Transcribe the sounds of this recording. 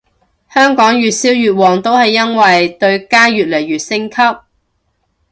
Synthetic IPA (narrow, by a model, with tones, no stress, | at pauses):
hœː˥ŋkɔː˨˥ŋjyː˨t̚siː˨˥wjyː˨t̚wɔː˨˩ŋt̪o˥whɐ˨jːɐ˥nwɐ˨jt̪ɵ˧ɥkaː˥jyː˨t̚le˨˩jːyː˨˩t̚sɪ˥ŋkʰɐ˥p̚